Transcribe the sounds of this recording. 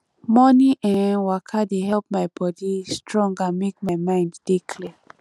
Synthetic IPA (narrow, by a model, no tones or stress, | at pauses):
mɔniʔɛ̃nwakʰadehɛlp̚majbɔdistʰɹɔ̃ŋɡamek̚majmãɪ̃nddikʰli